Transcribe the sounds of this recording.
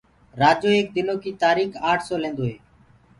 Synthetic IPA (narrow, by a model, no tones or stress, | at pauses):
ɾaːd͡ʒoːeːk̚d̪ɪnoːkiːt̪aːɾiːkaːʈʰsoːlẽːnd̪oːɦeː